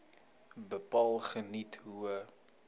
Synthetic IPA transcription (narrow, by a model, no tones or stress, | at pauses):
bəpɑːlˠχənitɦuə